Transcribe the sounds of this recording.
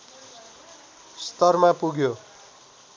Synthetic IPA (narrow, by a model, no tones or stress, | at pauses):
st̪ʌrmapuɡjo